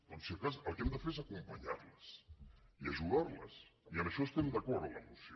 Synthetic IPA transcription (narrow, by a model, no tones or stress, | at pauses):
onsiokasə̰lˠkɛmd̪əfeɾezakumpɐɲa̰ɾləsiaʒuɣaɾlə̰siəməʃɔest̪ɛmd̪ɐkɔɾðlə̰musi